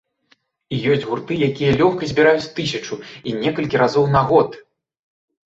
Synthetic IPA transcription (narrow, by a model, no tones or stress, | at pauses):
ijɔsʲd͡zʲɣurt̪ɨjakʲijɐlʲɔxkɐzʲbʲiɾajut͡sʲt̪ɨsʲɐt͡ʂuinʲɛkɐlʲkʲiɾazɔwnaɣɔt̪